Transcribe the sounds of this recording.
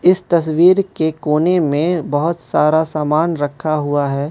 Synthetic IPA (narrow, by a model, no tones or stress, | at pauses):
ɪst̪ɐswiːɾkekoːnemẽbɐɦʊt̪saːɾasaːmaːnɾɐkʰaɦuaɦɛː